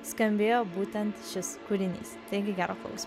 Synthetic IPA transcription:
skɐmʲbʲeːjoːbuːt̪ʲɛnt̪ʃʲɪskʊɾʲɪnʲḭːst̪ɐɪɡʲɪɡʲæːɾoːklˠɐ̰ʊsʲm

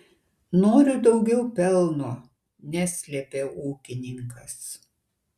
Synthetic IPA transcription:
noːɾʲʊd̪ɒʊɡʲɛʊpʲɛlˠnoː | nʲæsʲlʲɛpʲeːuːkʲɪnʲɪŋkɐs

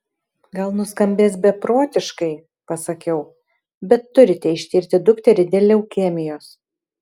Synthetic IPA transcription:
ɡɐlˠnʊskɐmʲbʲeːsbʲɛpɾoːt̪ʲɪʃkɐɪ | pɐsɐkʲɛʊ | bʲɛt̪ːʊɾʲɪt̪ʲɛɪʃʲt̪ʲiːɾʲt̪ʲɪd̪ʊkt̪ʲɛɾʲɪd̪ʲeːlʲɛʊkʲɛmʲɪjoːs

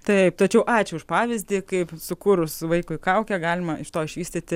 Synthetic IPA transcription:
t̪ɐɪp̚t̪ɐt͡ʃʲɛʊʔɑːt͡ʃʲʊʊʃpɑːʋʲɪzʲd̪ʲiːkɐɪpsʊkuːɾʊsʊʋɐɪkʊɪkɐʊkʲɛɡɑːlʲɪmɐɪʃt̪oːɪʃʲʋʲiːsʲt̪ʲɪt̪ʲɪ

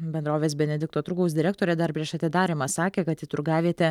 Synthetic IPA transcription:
bʲɛnd̪ɾoːʋʲeːsbʲɛnʲɛd̪ʲɪk̚t̪oːt̪ɾʊɡɐʊsd̪ʲɪɾʲɛkt̪oːɾʲeːd̪ɐɾpʲɾʲiɛʃɐt̪ʲɪd̪ɑːɾʲɪmɑsɑːkʲeːkɐt̪jɪt̪ʊɾɡɑːʋʲeːt̪ʲɛ

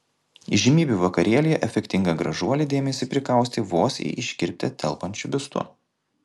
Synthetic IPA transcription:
iʒʲɪmʲiːbʲuʋɐkɐɾʲiɛlʲɪjɛʔɛfʲɛkʲt̪ʲɪŋɡɐɡɾɐʒuɔlʲɪd̪ʲeːmʲɛsʲiːpʲɾʲɪkɐˑʊsʲt̪ʲɪʋoːsʲḛɪʔɪʃʲkʲɪɾʲp̚ʲt̪ʲɛt̪ʲʰɛlˠpɐnʲt͡ʃʲʊbʲɪst̪ʊ̰

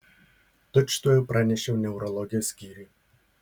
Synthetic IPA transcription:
t̪ʊt͡ʃt̪uːjɛpɾɑnʲɛʃʲɛʊnʲɛʊɾɔlˠɔɡʲɪjɔsʲkʲiːɾʲiː

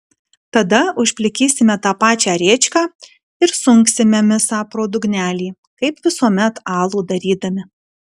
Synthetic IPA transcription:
t̪ɐd̪ɐʊʃʲpʲlʲɪkʲiːsʲɪmʲɛt̪ɑːpɑːt͡ʃʲæːɾʲeːt͡ʃʲkɑː | ɪɾsʊŋksʲɪmʲɛmʲɪsɑːpɾoːd̪ʊɡnʲæːlʲiː | kɐɪpʋʲɪsuɔmʲɛt̪ɑːlˠuːd̪ɐɾʲiːd̪ɐmʲɪ

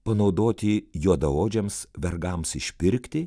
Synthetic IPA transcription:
pɐnɒʊd̪oːt̪ʲɪjuːd̪ɐoːd͡ʒʲɛmsʋʲɛɾɡɐmsɪʃʲpʲɪɾʲkʲt̪ʲɪ

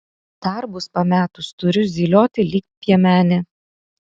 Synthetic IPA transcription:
d̪̥ɐɾbʊspɐmʲæːt̪ʊst̪ʊɾʲʊzʲiːlʲoːt̪ʲɪlʲiːk̚ʲpʲiɛmʲæːnʲɪ

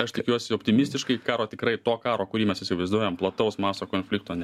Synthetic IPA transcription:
ɐʃt̪ʲɪkʲuɔsʲɪopʲt̪ʲɪmʲɪsʲt̪ʲɪʃkɐɪkɑːɾoːt̪ʲɪkɾɐɪt̪oːkɑːɾoːkʊɾʲiːmʲɛsjɪsʲɪʋɐɪzd̪uɔjɛmplˠɐt̪ɐʊsmɑːsoːkoːnʲfʲlʲɪk̚t̪oːnʲɛ

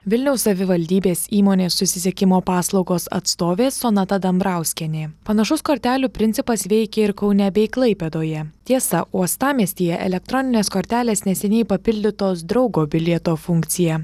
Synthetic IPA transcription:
ʋʲɪlʲnʲɛʊssɐʋʲɪʋɐlʲd̪ʲiːbʲeːsʲiːmoːnʲeːsʊsʲɪsʲɛkʲɪmoːpɑːslˠɒʊɡoːsɐ̰t̪st̪oːʋʲeːsoːnɐt̪ɐd̪ɐmbɾɑˑʊsʲkʲɛnʲeːpɐnɐʃʊskoːɾʲt̪ʲæːlʲuːpʲɾʲɪnʲt̪sʲɪpɐsʋʲɛɪkʲɛɪɾkɒʊnʲɛbʲɛɪklˠɐɪpʲeːd̪oːjɛt̪ʲiɛsɐʔuɔst̪ɑːmʲiɛsʲt̪ʲiːjɛʔɛ̰lʲɛk̚t̪ɾɔnʲɪnʲeːskoːɾʲt̪ʲæːlʲeːsnʲɛsʲɛnʲɛɪpɐpʲɪlʲd̪ʲɪt̪oːsd̪ɾɒʊɡoːbʲɪlʲiɛt̪oːfʊŋʲkt̪sʲɪjɛ

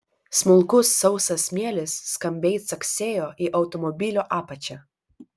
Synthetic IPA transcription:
smʊlˠkʊsːɒʊsɐsmʲiɛlʲɪsːkɐmʲbʲɛɪt̪sɐksʲeːjoːʔiʔɐʊt̪ɔmɔbʲɪlʲoːʔɑːpɐt͡ʃʲɛ

